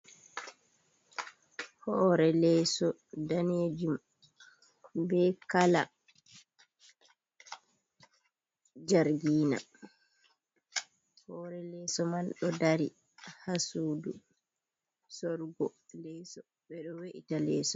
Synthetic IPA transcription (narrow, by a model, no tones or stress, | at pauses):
hɔɾɛlɛːsɔdaned͡ʒum | bɛkala | d͡ʒaɾɡiːna̰ | hɔːɾɛlɛːsɔmanɗɔdaɾi | hasuːdu | sɔɾɡɔlɛsɔ | ɓɛɗɔweʔitalɛːsɔ